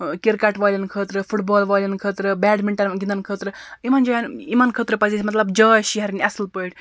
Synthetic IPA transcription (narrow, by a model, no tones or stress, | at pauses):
keɾkaʈʋaːlʲɐnkʰəːt̪ɾɨfʰuʈbɔːlʋaːlʲɐnkʰəːt̪ɾɨbɛːɖmiɳʈɐnɡʲind̪ɐnkʰəːt̪ɾɨimɐnd͡ʒɐːjanimɐnkʰəːt̪ɾɨpɐzesʰmɐt̪lɐbd͡ʒaːjʃiɦɐɾnʲiɐslpəiʈʲ